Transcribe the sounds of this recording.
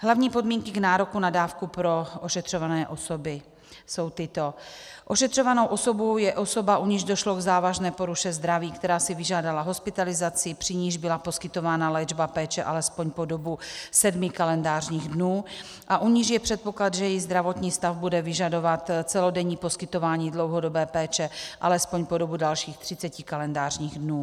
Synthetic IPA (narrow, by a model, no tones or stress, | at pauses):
ɦlavɲiːpo̞dmiːŋkɪɡnaːɾo̞kunadaːfkupɾo̞ʔoʃɛt̪r̝̥ovanɛːʔo̞sobɪ | so̞wt̪ɪt̪o̞ʔo̞ʃɛt̪r̥o̞vano̞wʔo̞so̞bowjɛʔo̞so̞baʔuɲɪʒdo̞ʃloɡzaːvaʒnɛːpo̞ɾuʃɛzd̪ɾaviːkt̪ɛɾaːsɪvɪʒaːdalaɦo̞spɪt̪alɪzat͡sɪpr̝̥ɪɲiʒbɪlapo̞skɪt̪o̞vaːnalɛd͡ʒbapɛːt͡ʃɛʔalɛspo̞ɲpo̞do̞busɛdmɪkalɛndaːrɲiːɣdnuː | ʔaʔuɲiʒjɛpr̝̥ɛt̪̚po̞klad̪ʒɛjɛjiɣzd̪ɾavot̪ɲiːst̪avbudɛvɪʒado̞vat̪t͡sɛlodɛɲiːpo̞skɪt̪ovaːɲiːdlowɦodobɛːpɛːt͡ʃɛʔalɛspoɲpodobudalʃiːxt̪r̝̥ɪt͡sɛcɪkalɛndaːrɲiːɣdnuː